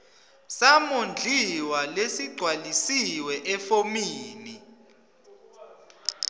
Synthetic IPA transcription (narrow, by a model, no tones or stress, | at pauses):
samond͡ɮʱiwalesiɡ͡ǀʱwalisiwɛʔɛfomiːni